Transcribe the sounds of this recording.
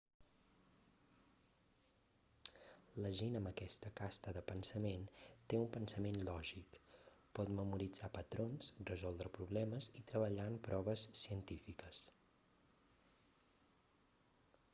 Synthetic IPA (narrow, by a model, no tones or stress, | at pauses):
ləʒinəməkɛst̪əkast̪əðəpənsəment̪eumpənsəmenlɔʒikpɔt̪məmuɾid͡zapət̪ɾonsrəzɔlˠd̪ɾəpɾuβlɛməzit̪ɾəβəʎaəmpɾɔβ̞əsːiənt̪ifikəs